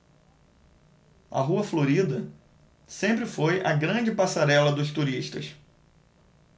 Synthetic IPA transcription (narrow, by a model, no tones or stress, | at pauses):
ɐ̰ɦuɐfloɾid̪ɐ | sẽmpɾɪfojɐɡɾɐ̃d͡ʒɪpasaɾɛlɐd̪ʊst̪uɾiʃt̪ɐ̰s